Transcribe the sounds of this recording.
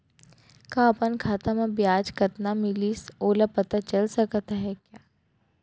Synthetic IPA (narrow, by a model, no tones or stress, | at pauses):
kãɐpənkʰaːt̪amãbjaːd͡ʒkɐt̪namɪliːsoːlapɐt̪at͡ʃɐlsɐkt̪aɦɛkjaː